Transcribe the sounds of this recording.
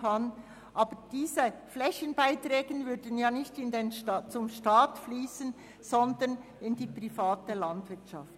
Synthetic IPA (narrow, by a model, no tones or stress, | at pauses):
kʰɑn | ʔɑːbəd̥iːzəflɛçənbaɪtɾɛːɡənvʏɾdən̩jaːnɪçtɪndent͡sʊmʃtaːtfliːsən | z̥ɔndən | ɪndiːpʁifaːtəlɑndvɪtʃɑ̰ft